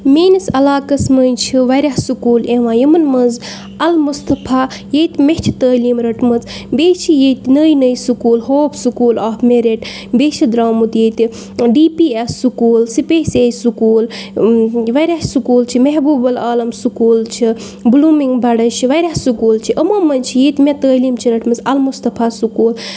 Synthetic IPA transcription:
meːnisɐlaːkɐsmɐnt͡ʃʰiʋɐɾʲaɦsukuːleʋãːjimɐnmɐnz | ɐlmust̪ɐpʰa | jeːt̪meht͡ʃʰi̥t̪əːliːmɾɐʈmɐzbeːt͡ʃʰijet̪inəːjnəjsukuːlɦoːpʰsukuːlaːfmeɾeʈ | beːt͡ʃʰid̪ɾaːmut̪jet̪i | ɖiːpiesːukuːlsipesejsukuːl | ʋɐjɾʲaɦsukuːlt͡ʃʰimeɦbuːbɐlaːlɐmsukuːlt͡ʃʰi | bluːmiŋɡbɐɽɐt͡ʃʰiʋɐjɾʲaɦsukuːlt͡ʃʰiʔɐmɐmɐnt͡ʃʰijet̪met̪əːliːmt͡ʃʰiɾɐʈmɐzɐlmust̪ɐpʰasukuːl

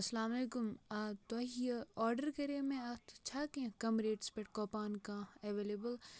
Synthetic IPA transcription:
ɐsɐlaːmɐleːkʊmat̪ɐijɐɔːɾɖəɾkɐɾeːmẽɐt̪ʰt͡ʃʰaːkẽkɐmɾeːʈspeʈ̚kɔːpaːnkãeʋeːleːbəl

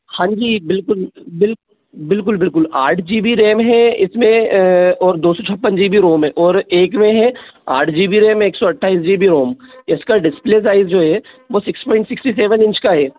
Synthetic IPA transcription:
hãːɲd͡ʒiːbɪlkʊlbɪlkʊ | bɪlkʊlbɪlkʊlaːɾʈʰd͡ʒiːbiɾeːmɦɛɪsmẽɔːɾd̪oːsɔt͡ʃʰɐpːənd͡ʒiːbʱiɾoːmɦɛ̃ʔɔːɾeːkmẽɦɛa̰ːɾʈʰd͡ʒiːbiɾeːmɦɛ̃eːksɔɐʈʰːaːis̬d͡ʒiːbiɾoːmɪskaɖɪspleːs̬aːɪzd͡ʒoːɦɛ | ʋoːsɪkspɔːɪɳʈsɪksʈis̬eːʋənɪ̃nt͡ʃkaɦɛː

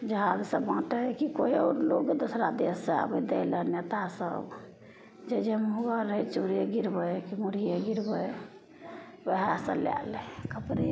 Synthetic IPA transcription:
d͡ʒəɦad͡ʒsə̃bãʈəkikoio̰ɾloɡd̪osɾad̪esːea̰bəd̪eɪlənnet̪asə̰b | d͡ʒed͡ʒemɦuɡəɾːəɦɛt͡ʃuɾieɡiɾbəjkimuɾijeɡiɾbəj | bəɦasə̰lja̰lɛkəpɾe

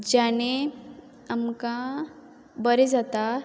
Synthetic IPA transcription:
d͡ʑañe | amka | bəɾed͡zat̪a

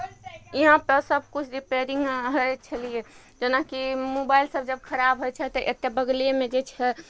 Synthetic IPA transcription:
iɦãpəsəb̚kut͡ʃʰɾipeɾiŋɡɦəjt͡ʃʰəlije | d͡ʒenakimobailsəbd͡ʒəb̚kʰəɾabʱɦojt͡ʃʰɛt̪ɔʔet̪ːebəɡliemẽd͡ʒet͡ʃʰɛ

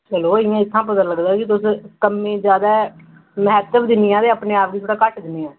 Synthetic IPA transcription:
t͡ʃəloːɪjãːɪt̪ʰːãːpət̪ənləɡd̪aːkɪt̪ʊskəmẽːd͡ʒjaːd̪aː | məɦɛːt̪əbd̪ɪnːɪjãːd̪eːaːpneːaːp̚d̪iːt̪ʰoːɽaːkəʈʰd̪ɪnːeːãː

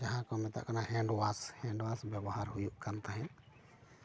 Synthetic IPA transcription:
d͡ʒaɦãkɔmɛt̪a̰ʔkanaɦɛ̃ɳɖwashɛ̃ɳɖwasbjabɔɦaɾɦujuʔkant̪aɦɛ̃

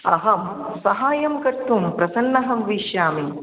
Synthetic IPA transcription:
ɐɦɐm | sɐɦaːjɐmkɐɾt̪ːumpɾɐsɐnːɐɦɐmʋiːʃjaːmi

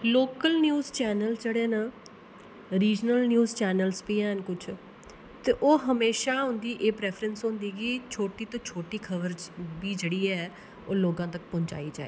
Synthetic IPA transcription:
loːkəlnjuːzt͡ʃɛːnəld͡ʒəɽeːnə | ɾiːd͡ʒnəlnjuːzt͡ʃɛːnəlspiːɛːnkʊt͡ʃʰ | t̪eːʔoːɦəmeːʃaːɦʊ̃nd̪iːʔeːpɾɛːpʰɾənsɦʊ̃nd̪iːɡiːt͡ʃʰoːʈiːt̪õːt͡ʃʰoːʈiːkʰəʋəɾbiːd͡ʒeːɽiːɛː | oːloːɡãːt̪ək̚pɔ̃ːɲt͡ʃa̰ːiːd͡ʒa̰ːḛː

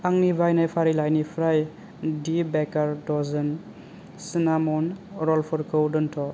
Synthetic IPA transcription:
aŋnibajnajpʰaɾilajnipʰɾaj | dibɛkaɾdɔzɯn | sinamɔnɾɔlpʰɔɾkʰɔwdɔntʰɔ

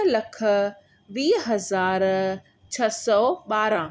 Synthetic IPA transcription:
lɐkʰə̆ | ʋiːɦɐzaːɾ | t͡ɕʰɐsɔːɓaːɾã

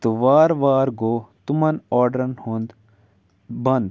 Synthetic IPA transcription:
t̪uʋaːɾʋaːɾɡoːt̪umɐnɔːɾɖɾɐnhũnd̪ | bɐnd̪

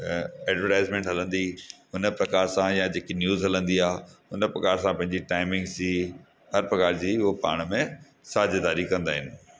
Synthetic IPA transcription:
eːɖʋəɾʈaːɪzmẽːɳʈɦɐlə̃nd̪iɦʊnə̆pɾɐkaːɾsãjãd͡ʑeːkinjuːzɦɐlə̃nd̪iaːʊnə̆pɾɐkaːɾsãpɐ̃ɦɪ̃ɲd͡ʑiʈaːɪmɪ̃ŋɡsi | ɦɐɾpɾɐkaːɾd͡ʑiːʊɦopa̰ːɽ̃mẽ | saːd͡ʑd̪aːɾikɐ̃nd̪aːɦɪnɪ

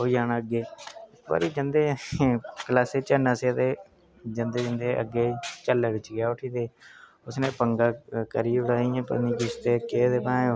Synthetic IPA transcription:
ɦoːijaːnːəɡeːɪkba̰ːɾiːd͡ʒənd̪eː | kəlaːset͡ʃənaːseːt̪eː | d͡ʒənd̪eːd͡ʒə̃nd̪eːʔə̰ɡeːt͡ʃəlːeːʋɪt͡ʃɡɪjaːʊʈʰiːt̪eː | ʊsneːpəŋɡaːkəɾiːʊɽaːiãːpə̰ɾnĩːd͡ʒɪst̪eːkeːt̪eːpãːo

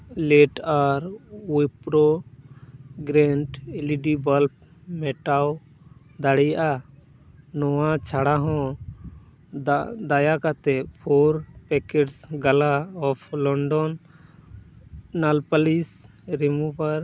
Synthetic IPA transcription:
lɛʈaɾwipɾɔ | ɡɾɛɳʈiliɖibalp̚ | mɛʈaw | d̪aɽɛjaʔa | nɔwat͡ʃʰaɽaɦɔ̃ | d̪ajakat̪ɛpʰɔɾpɛkɛʈsɡalaɔpʰlɔɳɖɔn | alpalis | ɾɛmupaɾ

